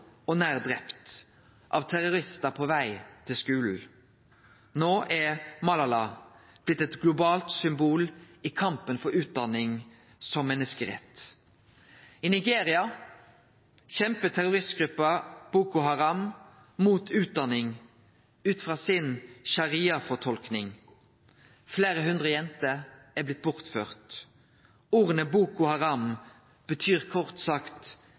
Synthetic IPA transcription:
ɔnæːʁd̪ɾɛpt̪ | ʔɑ̰ʋt̪ʰæɾʊɾɪst̪əpʰɔʋæɪt̪ʰɪlskʉːln̩ | noːʔæmɑlɑlɑː | b̥lɪt̪ːɛt̪ɡlʊbɑːlt̪sʏmbuːl | ɪkʰɑmpənfɔɾʉːt̪̚d̪ɑnɪŋ | sɔmmɛnːəskəɾɛ̰t̪ | ɪnɪɡeːɾɪɑ | çɛmpət̪ʰæʁʊʁɪst̪ɡ̥ʁʉpːɑb̥uːkʊɦɑʁɑm | muːt̪ʰʉːt̪̚d̪ɑnɪŋ | ʉːt̪fʁɑːsɪnʃɑʁiːɑfɔʁt̪ʰɔlknɪŋ | fleːʁəɦʉnd̪ʁəjɛnt̪əæːblɪt̪̚bʊʁt̪føːʁt̪ | uːʁənəbuːkʊhɑʁɑm | b̥ət̪ʰyːʁkʰɔʁt̪sɑkt̪

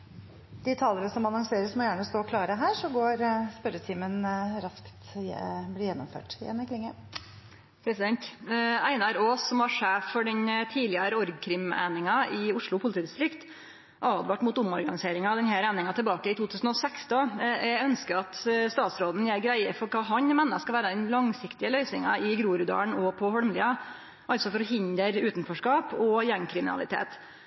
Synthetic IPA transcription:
d̪̥ɪt̪ʰɑːləɾəsɔmɑnɔŋseːɾəsmɔjæːɳəst̪oːɔkʰlɑːɾəɦæːʂɔɡoːɾspœɾət̪ʰiːmənɾɑskt̪blɪːjɛnːɔ̰mfø̰ːʈɪɛ̰nːəkʰlɪŋːə | pʰɾɛsɪd̪ɛnt̪æɪnæɾoːsɔmʋɑɾʂeːfːɔɖɛnt̪ʰiːlɪɑɾəɔɾɡkʰɾɪmæ̰ɪnɪŋɑɪʊʂɭʊpʰʊlɪt̪iːd̪ɪst̪ɾɪkt̪ | ʔɑːd̪ʋɑːʈmʊːt̪ʊmɔɾɡɑnɪseːɾɪŋɑd̪ɛnhæːɾæːnɪŋɑt̪ʰəlbɑːkəɪt̪ʰuːt̪ʰʉːsn̩ɔsɛksd̪oœnskəɑt̪st̪ɑːt̪sɾoːd̪n̩jeːɾɡɾæɪəfɔɾkʰɑːɦɑɲmɛːnːəskɑʋæːɾəd̪ɛnlɑŋsɪkt̪ɪəlœʏsnɪ̰ŋɑ̰ɪɡɾuːɾʉd̪ɑ̰ːɳɔpʰɔhɔɾmliːɑ | ʔɑlt̪sɔfɔɾɔhɪnd̪əɾʉːt̪n̩fɔʂkɑːpɔjɛŋkʰɾɪmɪnɑ̰lɪ̰t̪ʰḛːt̪

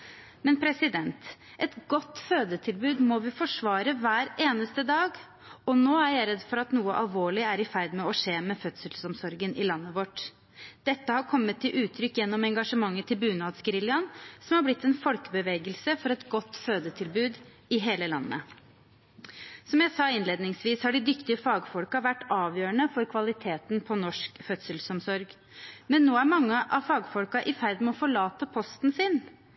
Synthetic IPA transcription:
mɛnpʰɾɛsɪd̪ɛnt̪ | ʔɛt̪ɡɔt̪ːføːd̪ət̪ʰɪlbʉːd̪mɔʋɪfɔʂʋɑːɾəʋæːɾeːnəst̪əd̪ɑːɡ | ɔnoːæɾjæɪɾɛd̪ːfɔɾɑt̪nuːəʔɑ̰lʋoːɭɪæɾɪfæɾd̪mɛɔʂeːmɛfœt̪səlsɔmsɔɾɡənʔɪlɑnːəʋɔʈ | d̪̥ɛt̪ːəhɑɾkʰɔmːət̪ʰːɪlʔʉːt̪ʰːɾʏkːjɛnːɔmɛŋɡɑʂəmɑŋːət̪ʰɪlbʉːnɑːd̪sɡəɾɪljɑnsɔmhɑɾblɪt̪ːɛnfɔlkəbəʋeːɡəlsəfɔɾɛt̪ɡɔt̪ːføːd̪ət̪ʰɪlbʉːd̪ | ɪɦeːləlɑ̰nːə̰ | sɔmjæɪsɑːɪnleːd̪nɪŋsʋiːshɑɖɪd̪ʏkt̪ɪəfɑːɡfɔlkɑʋæʈːɑːʋjøːəɳəfɔɾkʰʋɑlɪt̪ʰeːt̪n̩pʰɔnɔʂkfœt̪səlsɔmsɔɾɡ | mɛnːoːæɾmɑŋːəʔɑʋfɑːɡfɔlkɑʔɪfæɾd̪mɛɔfɔɭɑːt̪əpʰɔst̪n̩sɪn

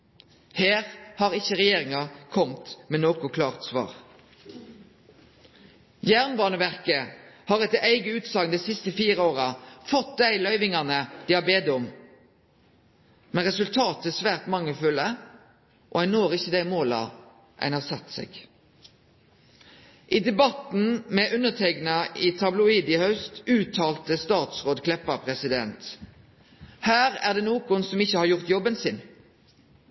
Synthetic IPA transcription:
heːʁhɑːʁɪçəʁɛjeːʁɪŋɑkʰɔmt̪mɛnoːkʊkʰlɑːʁt̪sʋɑ̰ːʁ | jæʁnbɑːnəʋæʁkəhɑːʁɛt̪ʔæɪɡəʉːt̪sɑŋd̪æɪsɪst̪əfiːʁəoːʁɑfɔt̪̚d̪æɪlœʏʋɪŋɑnəd̪̥iːhɑbeːd̪əʊm | mɛnʁɛsʉlt̪ʰɑːt̪əæsʋæːʁt̪mɑŋːəfʉlə | ʔɔæɪnoːʁɪçːəd̪æɪmoːlɑ̰ | ʔæ̰ɪnhɑːʁsɑt̪ːsɛ̰ːɡ | ʔid̪ɛbɑt̪n̩mɛʔʉnːət̪ʰɛɡnɑʔɪt̪ʰɑblʊiːd̪ɪhœʉst̪ʉːt̪ʰɑːlt̪əst̪ɑːt̪sʁoːd̪kʰlɛpːɑpʰʁɛsɪd̪ɛ̰nt̪ | hæːɾæ̰ʁd̪ɛːnoːkʊnsɔmɪçːəhɑɾʁjʊʁt̪jɔbənsɪn

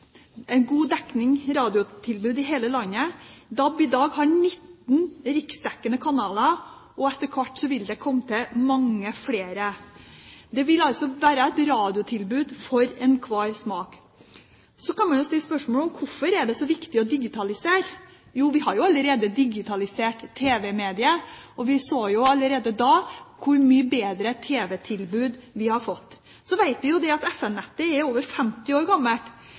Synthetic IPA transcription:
ɛnɡuːd̪ɛknɪŋɾɑːd̪ɪʊt̪ʰɪlbʉːd̪ɪɦeːləlɑnːəd̪ɑbɪd̪ɑːɡhɑnɪt̪ːn̩ɾɪksd̪ɛkːənəkʰɑnɑːlɑ | ɔɛt̪ːəɾkʰʋɑʈːsɔʋɪld̪ɛkʰɔmːt̪ʰɪmɑŋːəfleːɾə | d̪ɛʋɪlɑlsɔʋæːɾəɛt̪ɾɑːd̪ɪʊt̪ʰɪlbʉːd̪fɔɾɛnkʰʋɑːɾsmɑːk | sɔkɑnmɑnjʊst̪ɪlːəspœʂmɔːlɔmkʰʊɾfɔɾæɖɛsɔʋɪkt̪ɪɔd̪ɪɡɪt̪ʰɑlɪseːɾ | juːʋɪhɑɾjʊɑlːəɾeːd̪əd̪ɪɡɪt̪ʰɑlɪseːʈt̪ʰːeːʋɛmeːd̪ɪəɔʋɪsoːjʊɑlːəɾeːd̪əd̪ɑːkʰʊɾmyːəbeːd̪ɾət̪ʰeːʋɛt̪ʰɪlbʉːd̪ʋɪhɑɾfɔt̪ː | sɔʋæɪt̪ʋɪjʊd̪ɛɑt̪ɛfɛnnɛt̪ːəɛɾoːʋəɾfɛmt̪ɪoːɾɡɑmːəlʈ

